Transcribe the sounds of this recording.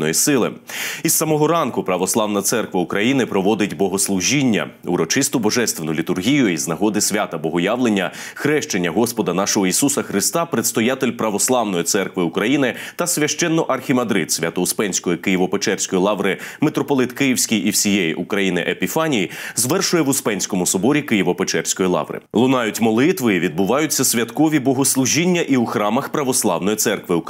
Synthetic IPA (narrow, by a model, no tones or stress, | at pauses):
nɔjisɪlˠɪ̰isːɐmɔɦɔɾɑnkʊpɾɐʋɔslˠɑʋnɐt̪sɛrkʋɐukɾɐjinɪpɾɔʋɔd̪ɪtʲbɔɦɔslˠʊʒʲinʲːɐ̰ṵɾɔt͡ʃɪst̪ʊbɔʒɛst̪ʋenʊlʲit̪ʊrɦʲijʊiznɐɦɔd̪ɪsʲʋʲat̪ɐbɔɦɔjɑʋlˠenʲːɐxɾɛʃt͡ʃenʲːɐɦɔspɔd̪ɐnɑʃɔɦɔisusɐxɾɪst̪ɑpɾet̪st̪ɔjat̪elʲpɾɐʋɔslˠɑʋn̪ɔjit̪sɛrkʋɪukɾɐjinɪt̪ɐsʲʋʲɐʃt͡ʃɛnːɔʔɐrxʲimɐd̪ɾɪ̰d̪sʲʋʲɐt̪ɔʊspɛnʲsʲkɔjikɪjiʋɔpet͡ʃɛrsʲkɔjilˠɑʋɾɪmet̪ɾɔpɔlˠɪt̪kɪjiwsʲkʲijʔiwsʲijɛjḭʔukɾɐjinɪ̰ʔepʲifɑnʲijizʋɛrʃʊjɛʋʊspɛnʲsʲkɔmʊsɔbɔɾʲikɪjiʋɔpet͡ʃɛrsʲkɔjilˠɑ̰ʋɾɪ̰lˠʊnɑjʊtʲmɔlˠɪt̪ʋɪiʋʲid̪̚bʊʋɑjʊt͡sʲːɐsʲʋʲjɐt̪kɔʋʲibɔɦɔslˠuʒinʲːɐʔiuxɾɑmɐxpɾɐʋɔslˠɑwn̪ɔjit̪sɛrkʋɪu